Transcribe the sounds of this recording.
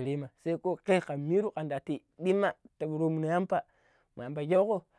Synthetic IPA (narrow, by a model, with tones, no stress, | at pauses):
ɾi˦ma˨sa˦i˦ko˦ke˦ka˨mi˦ɾu˦ka˨nda˨ti˨ | di˦ma˨ta˨bu˨ɾo˦mu˨no˨ja˦mpa˨ | mu˨a˨mba˨d͡ʒo˦ko˦